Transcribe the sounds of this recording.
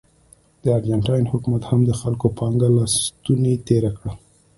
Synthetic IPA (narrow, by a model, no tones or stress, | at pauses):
d̪̥əaɾd͡ʒaɳʈɑjnhʊkumat̪hamd̪əxalkopʰɑŋɡalɑst̪unet̪eɾakɽa